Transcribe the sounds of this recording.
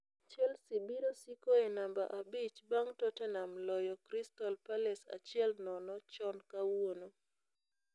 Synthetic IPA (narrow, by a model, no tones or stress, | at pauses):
t͡ʃɛlsibiɾosikoenamba̰ʔabit͡ʃbaŋtɔtɛnamlɔjɔkɾistɔlpalɛsa̰t͡ʃɪɛlnɔnɔt͡ʃɔnkawono